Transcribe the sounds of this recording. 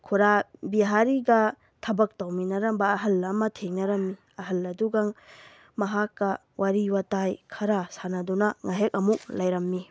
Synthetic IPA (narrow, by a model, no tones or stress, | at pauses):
kʰuɾabiɦaɾiɡɐ | tʰɐbɐk̚tawminɐɾɐmbɐːɦɐlːɐmɐtʰeŋnɐɾɐmːi | ɐɦɐlːɐduɡaŋ | mɐɦakːɐ | waɾiwatajkʰɐɾasanɐdunɐŋaɦek̚ɐmuk̚lɐjɾɐmːi